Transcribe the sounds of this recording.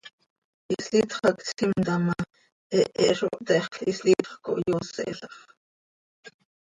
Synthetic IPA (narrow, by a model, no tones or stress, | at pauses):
ʔislit̪χɑksimt̪ama | ʔɛʔɛʔʃoʔt̪ɛχislit̪χko̰ʔjosɛ̰ʔɬɑχ